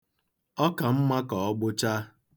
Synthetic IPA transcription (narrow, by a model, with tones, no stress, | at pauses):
ɔ˦ka˨m̩˦ma˦kɔ˨ɔ˦ɡ͡bʊ˦t͡ʃa˦